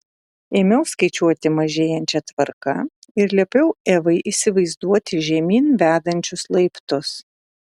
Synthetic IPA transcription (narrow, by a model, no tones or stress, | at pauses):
eːmʲɛʊskɐɪt͡ʃʲuɔt̪ʲɪmɐʒʲeːjɛnʲt͡ʃʲɛt̪ʋɐɾkɐɪɾlʲiɛpʲɛʊeːʋɐɪʔisʲɪʋɐɪzd̪uɔt̪ʲɪʒʲɛmʲiːnʋʲæːd̪ɐnʲt͡ʃʲʊslˠɐɪpt̪ʊs